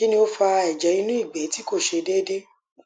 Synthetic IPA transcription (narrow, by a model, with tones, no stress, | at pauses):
i˦nĩ˧o˧fa˧ɛ˨d͡ʒɛ˨˦i˧nũ˦i˦˨ɡ͡bɛ˨˦ti˦ko˦˨ʃe˧deː˦de˦